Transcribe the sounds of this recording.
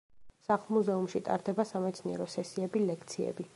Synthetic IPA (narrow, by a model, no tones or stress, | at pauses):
saχlˠmuzɛumʃit̪ʼa̰ɾd̪ɛbasamɛt̪sʰniɛɾɔsɛsiɛbilɛkʰt̪sʰiɛ̰bi